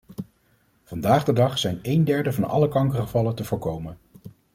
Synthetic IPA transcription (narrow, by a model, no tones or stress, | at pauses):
v̥ɑndaːχdədɑχsɛjnejndɛɹdəvɑnɑ̰ləkɑŋkəχəvɑləntəvʊːɹkowmən